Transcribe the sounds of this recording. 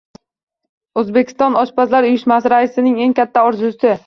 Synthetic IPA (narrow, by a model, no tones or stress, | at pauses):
ɵzbekʲʰɪ̥st̪ɒnɒʃpʰazlaɾʊjɪʃmasɪɾaɪsɪnɪŋe̞ŋkʲat̪ʰːaɒɾzʊsɪ